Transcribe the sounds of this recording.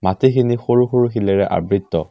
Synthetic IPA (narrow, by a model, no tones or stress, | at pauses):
matikʰinixoɹuxoɹuxilɛɹɛʔa̰bɹitːɔ